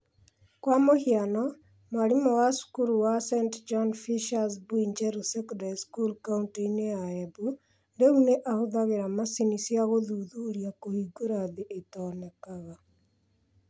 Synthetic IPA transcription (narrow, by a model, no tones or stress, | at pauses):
kwamohianɔ | mwaɾimɔwasu̥kuɾuwasɛntd͡ʒɔnfiʃas̬bwind͡ʒɛɾusɛkɔndaɾiskulkauntineaɛbu | ndeuneʔahoðaɣeɾamasinisjaɣoðuðuːɾiakohiɡoɾaðeʔetɔːnɛkaɣa